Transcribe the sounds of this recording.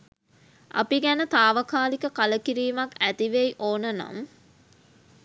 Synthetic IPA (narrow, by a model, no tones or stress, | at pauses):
ʔa̰piɡænət̪aːʋəkaːlikəkaləkiɾiːmakæt̪iʋejʔoːnəna̰m